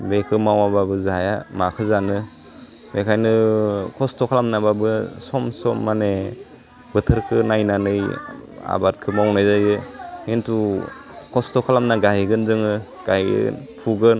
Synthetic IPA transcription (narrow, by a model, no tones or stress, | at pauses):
bekʰɯmawababɯzaajamakʰɯzanɯ | bekʰajnɯkʰɔstɔkʰalamnababɯsɔmsɔmːane | bɯtʰɯɾkʰɯnajnanɯja̰bat̚kʰɯmawnajzajɯhintʰu | kʰɔstɔkʰalamnaɡajɡɯnzɯŋɯ | ɡ̥ajɡɯ̰npʰuɡɯn